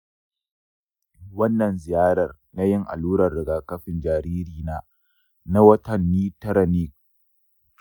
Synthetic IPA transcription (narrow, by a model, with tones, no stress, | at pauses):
wɐ˦nːɐ˨nzɪ˨jaː˦ɾɐ˨r | na˦jɪ˦ŋʔa̰˨luː˦ɾɐ˨rːɪ˨ɡaː˨kɐ˦ɸɪ˨nd͡ʒaː˨ɾiː˦ɾiː˨naː˦ | na˦wɐ˦tɐ˨nːiː˦tɐ˦ɾɐ˨ni˦k̚